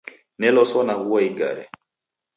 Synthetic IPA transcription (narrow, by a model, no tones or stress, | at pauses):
nɛlɔsɔnaɣuwaiɡa̰ɾɛ̰